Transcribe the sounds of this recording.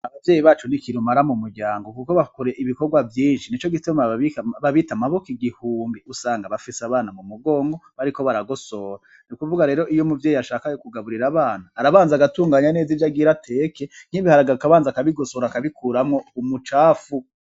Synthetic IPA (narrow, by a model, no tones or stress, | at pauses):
aβavje̞ːjiβaːt͡ʃunikiɾumaɾamumuɾɟaːŋɡo̞kuko̞βakuɾe̞ʔiβikoɾɡwavjiːnʃinit͡ʃo̞ɡitomaiβaβitamaβokiɡihuːmbiusaːŋɡaβafisaβaːnamumuɡo̞ːŋɡo̞βaɾiko̞βaɾaɡo̞so̞ɾa | nukuvuɡaɾe̞ːɾo̞ʔijo̞muvjeːjiaʃaːkajokuɡaβuɾiɾaβaːnaːɾaβaːnzaɡatuːŋɡaːɲane̞ːzivjaɡiɾatʰe̞ːkeŋ̥hiβihaɾaɡaɾukaβaːnzakaβiɡo̞so̞ɾakaβikuɾamŋo̞umut͡ʃaːfu